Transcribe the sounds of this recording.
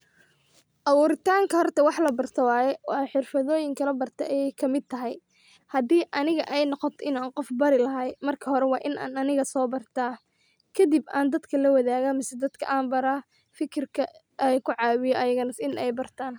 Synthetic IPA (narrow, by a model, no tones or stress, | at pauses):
ʔɐwuːɾɪt̪ʰaːŋkʰɐɦɔrt̪ʰɐwɑħlɐbɐrt̪ʰɐwɑːjɛwʔɑːħɪrfɐðɔːjɪŋkʰɐlɐbɐrt̪ʰɛʔɛjɛjkʰɐmɪd̪̚t̪ʰɐɦɛj | hɐd̪iːʔɐnɪɣɐʔɛjnɔqɔt̪ʰɔɪnaːnqɔfbɐɾɪlɐɦɐjmɐrkʰɐɦɔɾɛwɑːʔɪnʔa̰ːnɐnɪɣɐsɔːbɐrt̪ʰaː | kʰɐd̪ɪbaːnd̪ɐd̪kʰɐlɐwɐðaːɣɐmɪsɛd̪ɐd̪kʰɐʔaːnbɐɾa | fɪkʰɪrkʰɐ | ʔɛjkʰʊʕɑːwɪjɔʔɐjɐɣɐnɐsɪnʔɛjbɐrt̪ʰaːn